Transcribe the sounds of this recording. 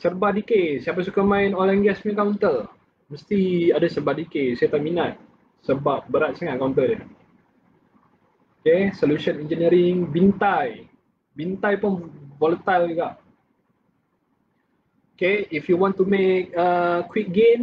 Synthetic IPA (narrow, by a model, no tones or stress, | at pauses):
sərbahdikesiap̬as̬ukamãɪnɔlanɡɛsmĩkawnt̪əl | məst̪iadasərbahdikesajat̪aʔminat̪̚ | səbap̚bəɾat̪̚saŋat̪̚kawnt̪əə | okesolusənɛnd͡ʒəniɾiŋbint̪aj | bint̪ajpʊnvolət̪alɡaʔ | okeifjuwɔ̃nt̪umek̚əkwik̚ɡem